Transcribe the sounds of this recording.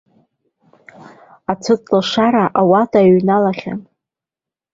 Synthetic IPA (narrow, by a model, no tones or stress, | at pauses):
at͡sʰɨt͡sʼlaʂaɾaʔawatʼaɥnalaχʲa̰n